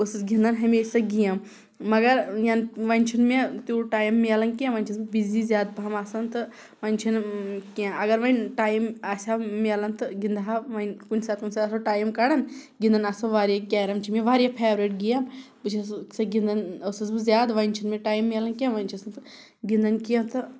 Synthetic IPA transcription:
osɨsɡʲĩnd̪ɐnɦɐmesɐɡijãmː | ɐɡɐɾjanʋɐnʲt͡ʃʰunmet̪uʈaːjmːelɐnkʲãʋɐnʲt͡ʃʰisbɨbizizjaːd̪̚pamasɐnt̪ɨ | ʋɐnʲt͡ʃʰunkãɐɡɐɾʋɐnʲʈaːjmɐsʲamelɐnt̪ɨɡind̪ɦaʋɐnkunʲsaːt̪̚kunʲsaɐsoʈaːjmkɐɽɐnɡind̪ɐnɐsoʋaːɾjakʲaːɾɐmt͡ʃʰimeʋaːɾijapʰeːʋɾeʈ̚ɡijãmpɨt͡ʃʰissɐɡʲind̪ɐnosɐs̬bɨzjaːd̪ʋɐnʲt͡ʃʰunmeʈaːjmːelɐnkʲãmʋɐnʲt͡ʃʰɐsnt̪ɨ | ɡind̪ɐnkijãmt̪ɨ

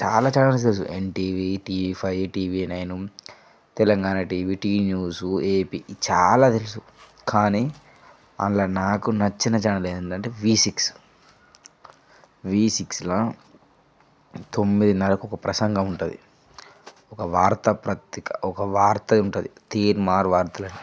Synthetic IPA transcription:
t͡ʃaːlaːt͡ʃaːlaːnɐs̬t̪elus̬uḛɳʈiːʋiʈiːʋipʰɐjʈiːʋinɐjnu | t̪ɛlɐŋɡaːnɐʈiːʋiʈiːnjuːsueːpit͡ʃa̰ːlaːt̪elusu | kaːniː | ɐ̰nlɐnaːkunɐt͡ʃːinɐt͡ʃaːɳɐleːd̪ɐnʈɐɳʈeːʋiːsiks | ʋiːsikslɐ | t̪omːid̪inɐlɐkuɔkɐpɾɐsɐŋɡɐmuɳʈuːd̪ḭ | ɔkɐʋaːɾt̪ɐpɾɐt̪ikɐɔkɐʋaːɾt̪ɐuɳʈund̪it̪iːɾmaːɾʋaːɾt̪ɐlɐɳi

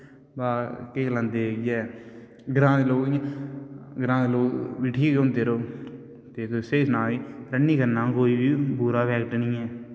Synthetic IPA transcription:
baːkeːklãnd̪eːkɪjɛː | ɡɾãːd̪eloːki | ɡɾãːeloːkʋiʈʰiːɡõːnt̪eːɾoː | t̪eːt̪oseːsnãːiːɾənːiːkənãːkoːiːbiːbuːɾaːbɛːkʈnĩːɛː

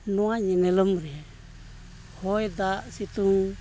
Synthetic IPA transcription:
nuaɲinɛlɔmɾiɛ | hɔjd̪aʔsit̪uŋ

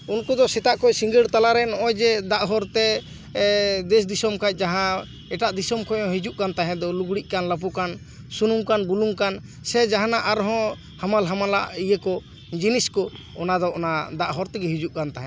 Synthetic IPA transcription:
unkɔd̪ɔsɛt̪aʔkɔsiŋɡəɽt̪alaɾɛnɔɔjd͡ʒɛd̪aʔɦɔɾt̪ɛ | d̪ɛs̬d̪isɔmkac̚ˀd͡ʒaɦã | ɛʈaʔd̪isɔmkɔjɔ̃ɦid͡ʒuʔkant̪aɦɛ̃d̪ɔluɡɽiʔ̚ˀkanlap̬ukan | sunumkanbuluŋkan | sɛd͡ʒaɦanaʔaɾɦɔ̃ | hamalɦamalaʔijəkɔ | d͡ʒiniskɔ | ɔnad̪ɔɔnad̪aʔɦɔɾt̪ɛɡɛɦid͡ʒuʔkant̪aɦɛ̃

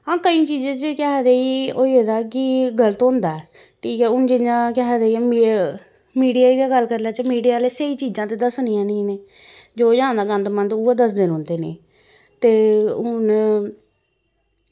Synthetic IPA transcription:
ɦãːkəĩːt͡ʃiːd͡ʒãːt͡ʃəkɛɦd̪eːiːoːieːd̪aːkɪɡələt̪ʊ̃nd̪aːɛː | ʈʰiːkɛːʊnd͡ʒɪjãːkɛɦd̪eiːm | miːɖijaːiɡaːɡəlːkəɾlaːt͡ʃəmiːɖijaːleːseiːt͡ʃiːd͡ʒãːt̪eːd̪əsnijãːnĩːneː | d͡ʒoːjãːnd̪aːɡənd̪mə̃nd̪uːeːd̪əsd̪ɪnɦõːnd̪eːneː | t̪eːʊn

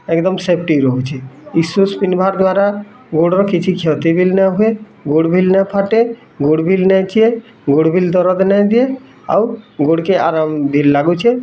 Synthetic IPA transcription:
ɛkd̪ɔmsep̚ʰʈiɾɔɦut͡ʃʰeisuspinbʱaɾd̪waɾa | ɡoɽɔɾkit͡ʃʰikʰɔt̪ibʱilnaɦue | ɡoɽbʱilnapʰaʈe | ɡoɽbʱilnɛt͡ʃʰie | ɡoɽbʱild̪ɔɾɔd̪nɛjd̪ie | a̰wɡoɽkeaɾambʱilːaɡut͡ʃʰe

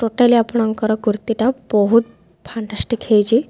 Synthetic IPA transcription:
ʈoʈaliapɔɳaŋkəɾɔɡuɾt̪iʈabɔɦut̪̚ | pʰaɳʈasʈikʰejd͡ʒi

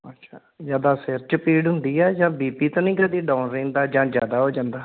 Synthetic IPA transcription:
ətːʃʰaː | zjaːd̪aːsɪɾt͡ʃəpiːɖɦʊnd̪iːɛːd͡ʒãːbiːpiːt̪ãːnĩːɡad̪iːɖãːnɾẽːnd̪aːd͡ʒãːd͡ʒjaːd̪aːɦoːd͡ʒãːnd̪aː

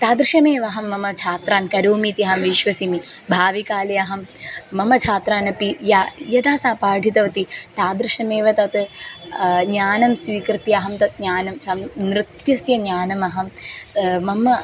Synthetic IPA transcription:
t̪aːd̪ɾɨʂɐmeːʋɐɦɐmːɐmɐt͡ʃʰaːt̪ɾaːnkɐɾoːmiːt̪iɐɦɐmʋiʃʋɐsimibʱaːʋikaːlɐjɐɦɐmːɐmɐt͡ʃʰaːt̪ɾaːnɐpijaːjɐd̪aːsaːpaːɖʱit̪ɐʋɐt̪it̪aːd̪ɾɨʃɐmeːʋɐt̪ɐt̪ | ɲaːnɐmsʋiːkɾɨt̪iɐɦɐmt̪ɐt̪̚ɲaːnɐmsɐmnːɾɨt̪jɐsjɐɲaːnɐmɐɦɐm | mɐmɐ

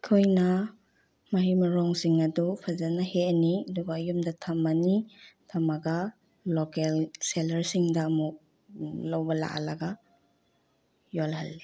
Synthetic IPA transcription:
kʰojnɐ | mɐɦimɐɾɔŋsiŋɐdupʰazanaheaniɐdubaːjumdɐtʰamːanitʰamaɡa | lːɔkelselɐɾsiŋdɐmu | lɐwbɐla̰ʔa̰laɡa | jolhɐlːi

